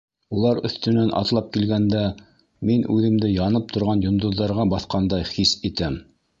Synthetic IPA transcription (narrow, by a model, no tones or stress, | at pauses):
ulˠɑɾɵ̰̆θt̪ɵ̆nænʔɑ̰t̪lˠɑp̚kilɡænd̪æ | minʔʉðɘ̆md̪ɘjɑnɤp̚t̪ʰŏɾʁɑnjŏnd̪ŏðːɑɾʁɑbɑθqɑnd̪ɑjχisit̪æm